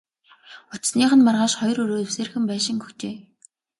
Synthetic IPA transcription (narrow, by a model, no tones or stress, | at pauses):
ʊt͡ɕsniːχə̆nmarʁaːʃχɔjrɵɾoːwseːrxɘ̆mpæːʃɪ̆ŋɡɵxt̪ʰeː